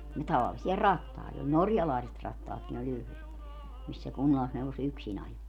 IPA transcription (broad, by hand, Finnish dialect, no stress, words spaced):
jɑ tɑʋɑlːisiɑ rɑtːɑˑit ol norjɑlɑˑiset rɑtːɑːtkin olʲ yhlet mis se kunːɑlːisneuʋos yksin ɑjo